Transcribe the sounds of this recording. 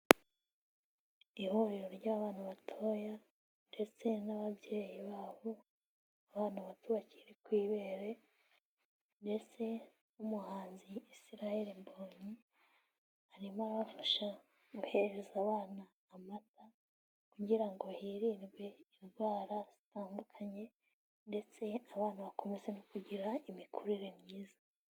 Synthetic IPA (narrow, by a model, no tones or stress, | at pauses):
ihoɾiɾoɾɟaːβaːnuβatʰo̞ːja | nde̞t͡se̞naβabje̞ːjiβaːβo̞ | aβaːn̥huβatuβaci̥ɾekwiːβeɾe̞ | nde̞t͡se̞ | umuhaːnziːsiɾaheɾimboːɲi | aɾimaɾaβafaʃa | ɡuhe̞eɾezaβaːnaːmata | kuɟiɾaŋɡohiːɾiːnɡwe̞inɡwaːɾaz̥itaːndukʰaɲe̞ | nde̞t͡se̞aβaːnaβako̞me̞ze̞nokuɟiɾaimikʰuɾiɾemɲiːza